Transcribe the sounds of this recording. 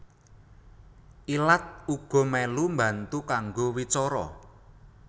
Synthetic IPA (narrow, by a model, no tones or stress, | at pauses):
ʔilat̪̚uɡ̥ɔ̤mɛlumbä̤nt̪ukaŋɡowit͡ʃɔɾɔ̰